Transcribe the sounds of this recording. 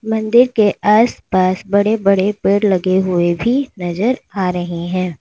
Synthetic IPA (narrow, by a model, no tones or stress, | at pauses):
mɐ̃nd̪ɪɾkeʔaːspaːsbɐɽebɐɽepeːɽlɐɡeɦʊebʱinɐzəɾaːɾɐɦeɦɛ̃ː